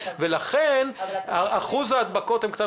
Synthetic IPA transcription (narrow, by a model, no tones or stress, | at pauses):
velaχenaaχuzaːd̪̚bako̞t̪hemkt̪a